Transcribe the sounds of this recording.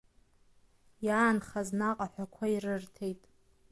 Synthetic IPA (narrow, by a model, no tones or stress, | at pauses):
jaːnχaznaqʼaħʷᶣakʷʰairɨrtʰejtʼ